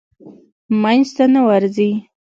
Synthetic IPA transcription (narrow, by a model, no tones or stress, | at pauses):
manzt̪anawaɾzi